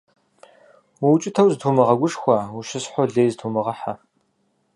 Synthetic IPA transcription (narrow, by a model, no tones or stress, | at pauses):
wuwt͡ʃʼɪtʰɐwzɨtʰumɨʁɐɡʷʊʂxʷɐwuʃɪsħʷɔɮeːjztʰumɨʁɐħa